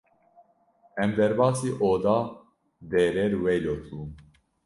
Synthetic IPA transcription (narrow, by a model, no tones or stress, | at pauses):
ɛmd̪ɛɾbɑːsiːʔoːd̪ɑː | d̪ɛːɾɛɾwɛjloːt̪ʰuːm